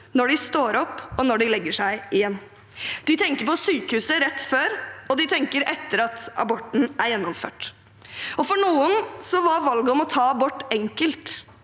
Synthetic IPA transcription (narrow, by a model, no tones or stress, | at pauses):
nɔɖɪst̪oːɾɔpːɔnɔɖɪlɛɡːəʂæɪʔɪjɛnː | d̪̥ɪt̪ʰɛŋkəɾpɔsyːkəhʉːsəɾɛt̪ːføːɾɔd̪ɪt̪ʰɛŋkəɾɛt̪ːəɾɑt̪ɑ̰bɔʈːn̩æɾjɛnːɔmfø̰ːʈ | ɔfɔɳuːənsɔʋɑɾʋɑlɡəɔmɔt̪ʰɑːɑbɔʈːɛŋkəlt̪